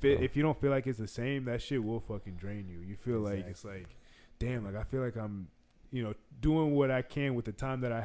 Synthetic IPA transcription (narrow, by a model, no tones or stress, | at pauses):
fɪʔɪfjɨɾõʊ̃nfilaɪkɨtsðɨsẽɪ̃mðɨtʃɪt̚wɪlˠfʌkɨ̃ndɹẽɪ̃njɨjɨfilaɪkɨtslaɪkd̥æ̃mlaɪkaɪfilaɪkãɪ̃m | jɨnoʊduɪ̃ŋwʌɾaɪkʰɨ̃nwɨðɨtʰãɪ̃mðɨɾaɪ